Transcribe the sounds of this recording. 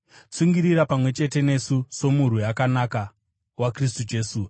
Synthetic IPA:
t͡siŋɡiɾiɾapamwe̞t͡ʃe̞te̞ne̞suso̞muɾ̤ujakanaka | wakris̬tud͡ʒe̞ːsu

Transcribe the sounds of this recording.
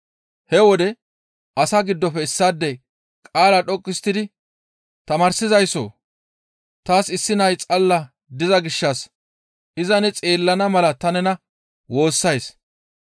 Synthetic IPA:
hɛwɔd̪ɛ | ʔɐsɐɡɪd̪ːɔpɛɪsːaːd̪ːɛ | kʼaːlɐɗɔkʼːɪst̪ːɪd̪ɪ | t̪ɐmɐɾsɪzɐjso̰ː | t̪aːsɪsːɪnɐjt͡sʼɐlːɐ | d̪ɪzɐɡɪʃːɐs | ʔɪzɐnɛt͡sʼeːlːɐnɐmɐlɐt̪ɐnɛnɐ | wo̞ːsːɐjs

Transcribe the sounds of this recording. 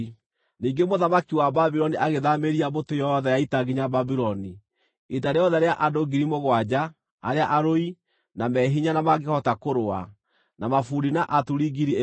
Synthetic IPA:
niːŋɡemoðamakiwababiɾɔniʔaɣeðameɾiabotojɔðɛjaitaɣiɲababiɾɔni | etaɾejɔðɛɾeaʔadoɡiɾimoɣwad͡ʑa | aɾeaʔaɾoi | namɛɦiɲanamaɣehɔtakoɾoa̰ | namafuɾinaʔatuɾiɡiɾie

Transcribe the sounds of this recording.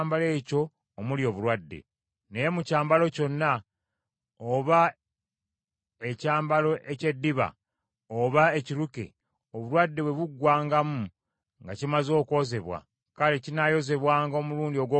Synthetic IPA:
mbale̞ːco̞ː | muljo̞ːβuɾwadːḛ | ne̞je̞mucaːmbalo̞co̞nːa | oβa | e̞caːmbalo̞ʔece̞dːiβa̰ | oβaeciɾukḛ | oβulwadːe̞βwe̞βuɡːwaːŋɡamu | ŋɡacimazo̞ːko̞ze̞βwa̰ | kaɾecinajo̞ze̞βwaːŋɡo̞ːmuluːndio̞ɡwo

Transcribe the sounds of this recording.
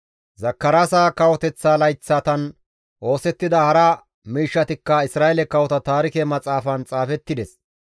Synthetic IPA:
zɐkːɐɾaːsaːkɐwɔt̪ɛt͡sːaːlɐjt͡sːaːt̪ɐn | ʔo̞ːsɛt̪ːɪd̪ɐhɐɾɐ | miːʃːɐt̪ɪkːɐɪsɾaːjɛlɛkɐwɔt̪ɐt̪aːɾɪkɛmɐt͡sʼaːfɐnt͡sʼaːfɛt̪ːɪd̪ɛs

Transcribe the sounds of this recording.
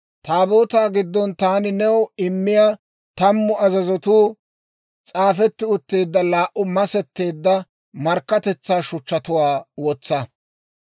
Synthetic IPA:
t̪aːboːt̪aːɡɪd̪ːɔnt̪aːnɪnɛwɪmːɪjaː | t̪ɐmːʊɐzɐzɔt̪uː | t͡sʼaːfɛt̪ːɪʊt̪ːe̞ːd̪ːɐlaːʔʊmɐsɛt̪ːe̞ːd̪ːɐ | mɐɾkːɐt̪ɛt͡sːaːʃʊt͡ʃːɐt̪ʊwaːwɔt͡sːɐ

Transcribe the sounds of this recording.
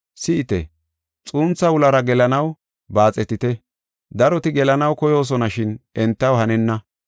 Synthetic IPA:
sɪʔɪt̪ɛ̰ | t͡sʼuːnt͡sːɐwʊlɐɾɐɡɛlɐnɐw | baːt͡sʼɛt̪ɪt̪ɛ | d̪ɐɾɔt̪ɪɡɛlɐnɐwkɔjo̞ːs̬ɔnɐʃɪnʔɛnt̪ːɐwhɐnɛnːɐ

